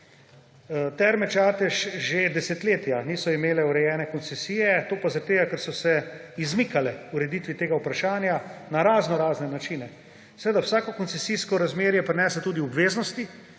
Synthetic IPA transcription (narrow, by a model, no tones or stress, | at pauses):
t̪ɛɾmɛt͡ʃaːt̪ɛʃʒed̪ɛset̪leːt̪janiːsɔimeːlɛuɾɛjɛːnɛkɔnt̪sɛsiːjɛt̪oːpazaɾt̪eːɡakɛɾsɔsɛ | izmikalɛuɾɛd̪iːt̪ʋit̪eːɡaupɾaʃaːnjanaɾaːznɔɾaːznɛnat͡ʃiːnɛ | sɛʋeːd̪awsaːkɔkɔnt̪sɛsiskɔɾazmeːɾjɛpɾɛnɛːsɛt̪uːd̪iɔbʋeːznɔst̪i